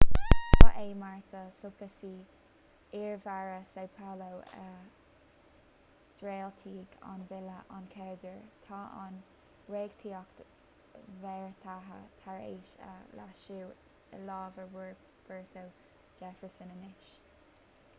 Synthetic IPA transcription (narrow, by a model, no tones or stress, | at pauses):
t̪ʰa̰ʔeːmaɹt̪ʰəsʊpəsiː | ɪɹvaɹəsewpʰalow | d̪̥ɾeːlt̪ʰiːɡa̰nvɪləʔankʰɛd̪əɹt̪ʰɑːʔa̰n | ɹeːɡ̥t̪ʰiːɔk | vɛɹt̪ʰaɦə̰t̪ʰaɹḛːʃə̰la̰ʃuw̰ | lɑːvəɹwɪɹ | b̥əɹt̪əw | d͡ʒɛfəɹsənənɪʃ